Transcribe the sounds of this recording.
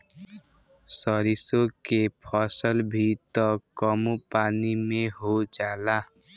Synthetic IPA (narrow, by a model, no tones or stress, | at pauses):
sɔɾisõkepʰɔsəlbʱit̪ɔkɔmupaːnimẽɦod͡ʒaːla